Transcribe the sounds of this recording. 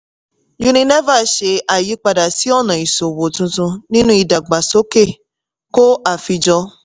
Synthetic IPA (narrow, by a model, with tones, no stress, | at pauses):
ju˧nĩ˧nɛ˦va˦˨˦ʃe˧a˨ji˨˦k͡pa˧da˨si˨˦ɔ˦˨nã˨i˨so˨wo˨tũ˧tũ˧nĩ˦nũ˦i˧˨da˨ɡ͡ba˨so˨˦ke˦˨ | ko˦a˦˨fi˧d͡ʒɔ˧